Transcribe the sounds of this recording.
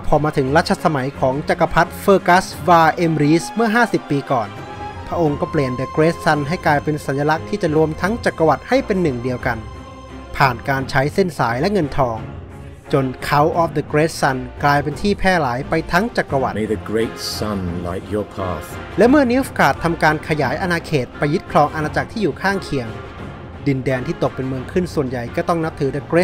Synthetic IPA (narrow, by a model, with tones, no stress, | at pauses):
pʰɔː˧maː˧t̪ʰɯ˩˦ŋɾa˦˥t̪̚ʰːa˧sa˧ma˩˦jkʰɔː˩˦ŋt͡ɕa˨˩kːa˧pʰa˦˥t̪̚fɤː˧ka˦˥swaː˧ʔe˧mɾiː˦˥smɯ˥˩ɐɦaː˥˩si˨˩pːiː˧kɔː˨˩n | pʰɾa˦˥ʔo˧ŋkɔː˥˩pli˨˩ənd̪ə˨˧kɾeː˦˥t̪̚sa˧˥˩nɦa˥˩jklaː˧jpe˧nsa˩˦nja˧la˦˥k̚t̪ʰiː˥˩t͡ɕa˨˩ɾu˧əmt̪ʰa˦˥ŋt͡ɕaː˨˩kːɾa˧wa˨˩t̪̚ha˥˩jpe˧nːɯ˨˩ŋdi˧əwka˧n | pʰaː˨˩nkaː˧nt͡ɕʰa˦˥jsi˥˩nsaː˩˦jlɛ˦˥ŋɤ˧nt̪ʰɔː˧ŋ | t͡ɕo˧nkʰa˦˥wʔɔː˦˥f̚d̪ə˧kɾeː˦˥t̪̚sa˧nklaː˧jpe˧nt̪ʰiː˥˩pʰɛː˥˩laː˩˦jpa˧jt̪ʰa˦˥ŋt͡ɕaː˨˩k̚pɾa˧wa˨˩t̪medəɡɹeɪtsanla̰˨ɪkjɔ˨pʰa̰˧θlɛ˦˥mɯ˥˩ɐni˦˥fkʰaː˨˩t̪ʰːa˧mkaː˧nkʰa˧jaː˩˦jʔa˧naː˧kʰeː˨˩t̪̚pa˧jːu˦˥t̪̚kʰlɔː˧ŋʔa˧naː˧t͡ɕa˨˩k̚t̪ʰiː˥˩juː˨˩kʰaː˥˩ŋkʰi˨əŋ | di˧ndɛː˧nt̪ʰiː˥˩t̪o˨˩k̚pe˧nmɯː˧ŋkʰɯ˥˩nsu˨˩ənja˨˩jkɔː˥˩t̪ɔ˥˩ŋna˦˥p̚t̪ʰɯː˩˦d̪ə˧kɾe˦˥